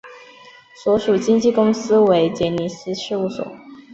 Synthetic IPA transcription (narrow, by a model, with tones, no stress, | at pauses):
swɔ˧˥ʂu˨˩t͡ɕi˥ŋt͡ɕi˥˩kʊ˥ŋsɹ̩˥we˧˥ɪt͡ɕjɛ˧˥ni˧˥sɹ̩˥ʂɻ̩˥˧u˥˩swɔ̰˨˩˦